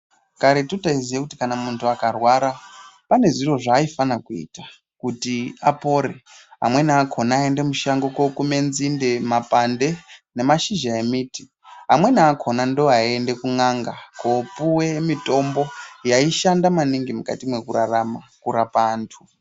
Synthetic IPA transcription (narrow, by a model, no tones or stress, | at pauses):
kaɾetutaizijekuti̥kanamuntʰuakarwaɾapane̞ʐiro̞ʐaːifanakuḭta | kutia̰po̞ɾeɦa̰mwe̞niakʰo̞naːende̞muʃaŋɡokwokume̞nzinde̞mapande̞ne̞maʃiʒae̞miːti̥ | ɦamwe̞niakʰo̞nandoaende̞kuŋaŋɡakopuwe̞mito̞mbo̞jaiʃandamaniŋɡimuka̰timwe̞kuɾaramakuɾapaːntʰu